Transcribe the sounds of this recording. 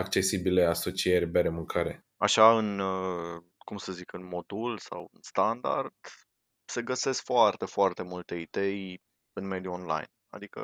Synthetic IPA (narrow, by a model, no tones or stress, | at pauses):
ak̚t͡ʃe̞sibile̞aso̞t͡ʃierʲbeɾemuŋkʰaɾe | aʃaɨn | kumsəzikɨnmo̞d̪ulsa̰wɨnst̪and̪a̰rd̪̥ | se̞ɡəse̞skfoart̪e̞foart̪e̞mult̪e̞id̪e̞j | ɨnme̞d̪juonla̰jna̰d̪ikə̰